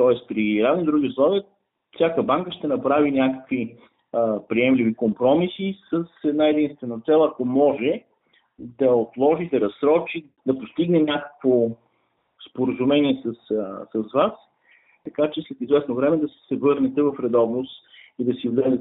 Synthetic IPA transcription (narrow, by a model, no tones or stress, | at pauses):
t̪ɔɛst̪pɾiɾad̪nid̪ɾuɡiʊslˠɔviə | fsʲjakəbaŋkəʃt̪ɛnɐpɾavinʲakə̥kvi | pɾiɛmlivikompɾɔmisisəsɛd̪naɛd̪inst̪vɛnɐt̪sɛlˠɐkomɔʒɛ | d̪ɐot̪lˠɔʒid̪ɐɾɐsɾɔt͡ʃi | d̪ɐpost̪iɡnɛnʲakə̥kvo | spoɾəzumɛniɛsəssəsvas | t̪ɐkat͡ʃɛslɛt̪izvɛsnovɾɛmɛd̪ɐsɛ̥sɛvɤɾnɛt̪ɛvɐfɾɛd̪ɔvnost̪ | id̪ɐsivlɛd̪ɛ